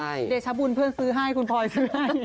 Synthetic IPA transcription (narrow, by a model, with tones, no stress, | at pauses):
a˥˩jde˨˩k̚t͡ɕʰa˧˦˥bu˧npʰɯ˥˩ənsɯː˨˦˥ɦa˥˩jkʰu˧npʰɔː˧jsɯː˨˦˥ha˥˩j